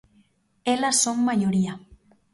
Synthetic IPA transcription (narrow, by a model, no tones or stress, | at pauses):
elasoŋmajoɾia